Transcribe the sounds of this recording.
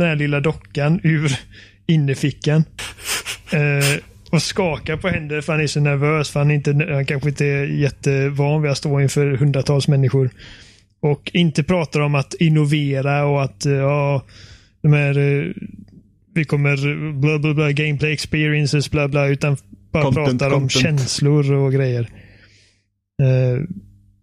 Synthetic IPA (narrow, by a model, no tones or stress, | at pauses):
d̪ɛnhæːlɪlːad̪ɔkːanʉ̟ːɾ | ɪnːəfɪkːan | ɔskɑːkaɾpʰɔhɛnd̪əfœɾhanæʂɔnæɾvøːsfœɾhanɪnt̪əhankʰanɧəɪnt̪əɛjɛt̪ːəvɑːnvɪast̪oːɪnfœːɾhɵnd̪ɾat̪ʰɑːlsmɛnːɪɧʊɾ | ɔkʰɪnt̪əpʰɾɑːt̪aɾɔmat̪ɪnʊveːɾaɔat̪jɑː | d̪ɛmɛnaɾ | vɪkʰɔmːəɾblɑːblɑːblɑːɡɛɪmpʰlɛɛkspɪːɾɪənsəsblɑːblɑːʉ̟ːt̪anb̥ɑːɾapʰɾɑːt̪aɾɔmɕɛnslʊɾɔɡɾɛjːəɾ